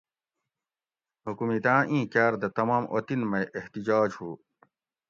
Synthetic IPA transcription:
hukumit̪ãːʔĩːkaːɾd̪ɐt̪ɐmaːmʔo̰t̪inmɐjʔeht̪id͡ʑaːd͡ʑhuː

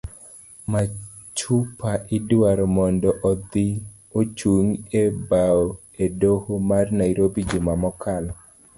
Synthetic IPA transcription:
ma | t͡ʃupaʔɪdwaɾɔmɔndɔʔɔd̪i | ot͡ʃuŋebao | edohomarnaiɾobid͡ʒimamɔkʰalɔ

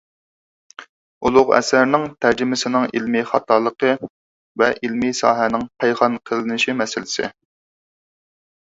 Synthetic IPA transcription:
ulˠʊʁɛ̰sæɾnɪŋt̪ʰæɾd͡ʒɪmɪsɪnɪŋḭlmiχɑt̪ʰɑːlˠəqʰə | vɛʔilmisɑːɦɛnɪŋpʰæjʁɑnqʰəlˠɪnɪʃimɛsɪlɪsɪ̰

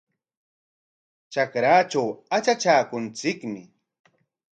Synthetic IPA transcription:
t͡ʃakɾaːt͡ʃawat͡ʃat͡ʃaːkʊnt͡sɪkmɪ

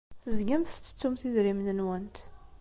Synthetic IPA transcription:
θəzɡæmθt͡sːə̥t͡sːumθiðɾimnənwænt̪

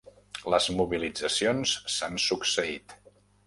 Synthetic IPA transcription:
ləzmuβilid͡zəsionssansuksəit̪

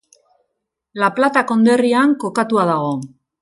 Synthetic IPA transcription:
laplat̪ako̞nd̪e̞riaŋko̞kat̪uað̞aɣ̞o̞

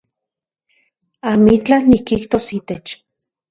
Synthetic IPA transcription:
amit͡ɬanikiht̪osit̪et͡ʃ

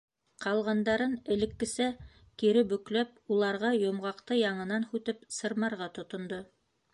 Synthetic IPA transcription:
qɑlˠʁɑnd̪ɑɾɤnɘ̆lɘ̆kːɘ̆sæ | kiɾɘbɵ̆klæp̚ulˠɑɾʁɑjŏmʁɑqt̪ɤjɑɴɤ̆nɑnhʉt̪ɘpsɤ̆ɾmɑɾʁɑt̪ŏt̪ŏnd̪o

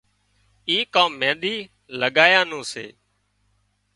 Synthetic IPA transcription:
iːkãːmːẽːnd̪iː | ləɠaːjãːnũːsḛː

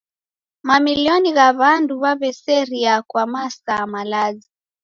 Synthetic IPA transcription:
mamiliɔniɣaβanduβaβɛsɛɾiakwamasamalazi

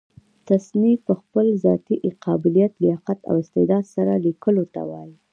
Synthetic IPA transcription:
t̪asnipəxpəlzɑt̪iʔqʰɑbɪlijat̪ləjɑqat̪a̰wɪst̪ɪd̪ɑd̪saɾalikəlot̪a̰wɑji

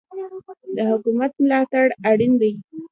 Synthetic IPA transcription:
d̪əhʊkumat̪̚mlɑt̪aɽaɽind̪aj

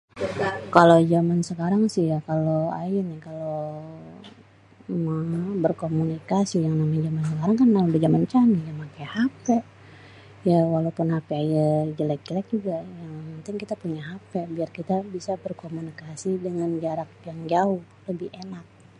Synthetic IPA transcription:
kalod͡ʒamansəkaɾaŋsɪhjakaloajɛnikalo | mabərkomunikasijaŋnamajd͡ʒamansəkaɾaŋkanːamabad͡ʒamant͡ʃamijamakajhapɛ | jawalaupʊnhapɛajad͡ʒəlɛk̚ilak̚d͡ʒuɡajaŋmənt̪ɪŋkit̪apuɲaɦapɛbiarkit̪abisabərkomunikasidəŋand͡ʒaɾak̚jaŋd͡ʒaʊh | ləbɪhenak̚

